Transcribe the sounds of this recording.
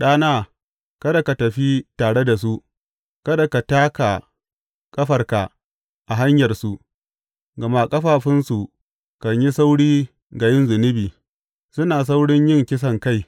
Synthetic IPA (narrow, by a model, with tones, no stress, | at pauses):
ɗaː˦naː˦ | kɐ˦da˨ka˨tɐ˨ɸi˦taː˨ɽe˦da˨s̬u˦ʔ | kɐ˦da˨ka˨taː˦ka˨ | kʼɐ˦ɸɐ˨rka˨ | ʔa˨ɦa˦ɲjɐ˨rsu˦ʔ | ɡɐ˨ma˦kʼɐ˦ɸaː˨ɸɪ˦nsu˨ | kɐ˨ɲji˦sa˦wɽiː˦ | ɡa˨jɪ˦nzɪ˨nɪ˦biː˨ | sʊ˦naː˨s̬a˦wɽɪ˦ɲjɪ˦ŋkʲɪ˦s̬ɐ˨ŋka˦˨j